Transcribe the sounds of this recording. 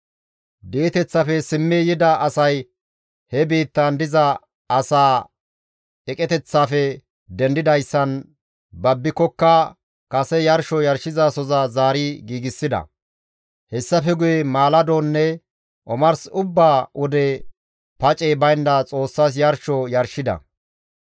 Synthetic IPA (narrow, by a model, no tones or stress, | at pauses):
d̪iːt̪ɛt͡sːɐfɛsɪmːijɪd̪ɐʔɐsɐj | hɛbiːt̪ːɐnd̪ɪzɐ | ɐsaː | ɛkʼɛt̪ɛt͡sːaːfɛ | d̪ɛnd̪ɪd̪ɐjsːɐn | bɐbːɪkɔkːɐ | kʼɐsɛjɐɾʃɔjɐɾʃɪzasɔzazaːɾiɡiːɡɪsːɪd̪ɐ̰ | hɛsːɐfɛɡʊjɛmaːlɐd̪oːnːɛ | ʔɔmɐɾsʊbːaːʔɔd̪ɛ | pɐt͡ʃʼeːbɐjnd̪ɐt͡sʼo̞ːsːaːs̬jɐɾʃɔjɐɾʃɪd̪ɐ̰